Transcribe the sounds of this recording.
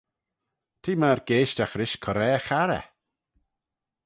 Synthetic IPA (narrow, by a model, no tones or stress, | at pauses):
t̪ʰiːmaːɾɡ̥eːʃtaxɾɪʃkʰɔɾɛːxaɾɛ̰